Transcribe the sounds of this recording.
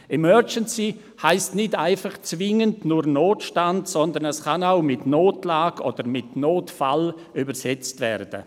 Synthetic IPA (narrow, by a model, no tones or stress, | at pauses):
ʔɛmœd͡ʒənsi | haɪstnɪdaɪfaχt͡svɪŋəndnuɾnoːtʃtandsɔndənɛskanaʊmɪtnoːtlaːɡ̥ɔd̥əɾmɪtnoːtfal | ybəsɛt͡stvɛ̰rd̥ə̰